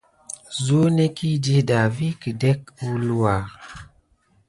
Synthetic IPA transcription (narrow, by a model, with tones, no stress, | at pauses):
zu˦ne˦ki˦d͡ʒi˦hda˨vi˦ki˨dɛ˦ku˦lu˦a˨ɾ